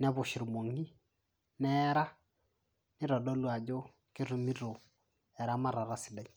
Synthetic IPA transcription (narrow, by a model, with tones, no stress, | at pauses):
nɛ˦βʊ˨ʃɪ˨ɾmo˨ŋi˦ | nɛ˦ɾa˦ | nɪ˦ɾɔ˨dɔ˦lwa˨d͡ʒo˦ | kɪ˦ɾu˨mi˦ɾo˨ | ɛ˨ɾa˦ma˦ɾa˨ɾa˦sɪ˨dɛ˦ɲ